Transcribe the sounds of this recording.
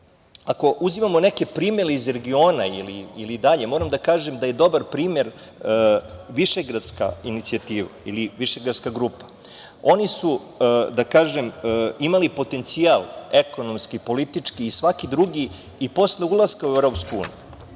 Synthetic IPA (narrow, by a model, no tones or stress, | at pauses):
ako̞ʔuzimamo̞ne̞ke̞pɾiːmje̞ɾeizɾe̞ɡio̞ːnailiilid̪aʎe̞moːɾamd̪akaːʒemd̪aje̞d̪o̞baɾpɾiːmje̞ɾ | ʋiʃeɡɾad̪ska̰init̪siat̪iːʋailiʋiʃeɡɾad̪skaɡɾuːpḁ | o̞nisu | d̪akaːʒemimalipo̞t̪e̞nt̪sialˠeko̞no̞mskipo̞lit̪it͡ʂkiːsʋakid̪ɾuɡiː | po̞sleulˠaskauevɾo̞ːpskoṵːnḭju